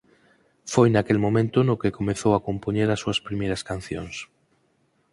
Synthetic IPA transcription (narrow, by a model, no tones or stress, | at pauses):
fojnakelmõmẽnt̪ʊnokekomeθowakompoɲeɾasːuɐspɾimejɾɐskanθjoŋs